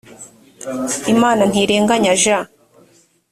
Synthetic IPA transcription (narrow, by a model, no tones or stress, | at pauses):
imaːnan̥iɾeːŋɡaɲaʒa